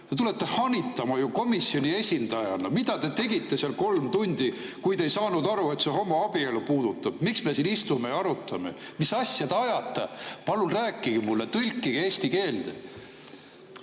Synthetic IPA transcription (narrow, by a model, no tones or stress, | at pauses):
t̪et̪ule̞t̪ːe̞hɑnʲit̪ːˑɑmɑjuko̞misːio̞nʲie̞sʲind̪̥ɑjɑ̰nɑmid̪̥ɑt̪e̞t̪e̞ɡ̥it̪ːˑe̞seɑlko̞lmt̪unʲd̪̥i | kujd̪e̞jsɑːnud̪ɑɾue̞t̪seɦo̞mɑɑb̥ielupuːd̪̥ut̪ːˑɑb̥miksme̞sinist̪ume̞jɑɑɾut̪ːˑɑme̞̰misɑsʲjɑd̪̥eɑjɑt̪ːˑepɑlunræːkːˑiɡ̥imulːet̪ɯlʲkːˑiɡ̥e̞ːst̪ike̞ːld̪̥e